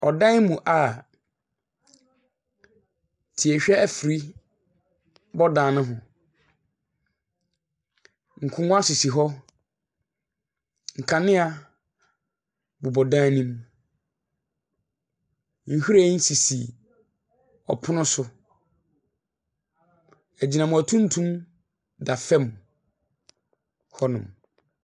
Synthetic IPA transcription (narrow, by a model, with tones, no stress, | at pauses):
ɔ˨dã˦n˦mũ˨ʔa˨ | tʰi˨ɛ˨ɕᶣɛ˦æ˨fi˨ɾi˦ | bɔ˦dãː˨nʊ̃˦ɦʊ̃˨ | ŋ̩˨kʰʊ̃˨ŋʊ̃˦a˦sʊ˨si˨ɦɔ˦ | ŋ̩˨kʰã˨nɪ̃˦a˨ | bʊ˨bɔ˨dãː˦nĩ˦m | ŋ̩˨hu˦ɾa˦˨˦n̩˦si˨sḭ˨ | ɔ̰˨pʰʊ˦nʊ̃˦sʊ˦ | æ˨d͡ʑi˨nã˨mʊ̃˨æ˨tʰũ˦n˦tʰũ˦m | da˨fɛ˦m | hɔ˦nʊ̃˨m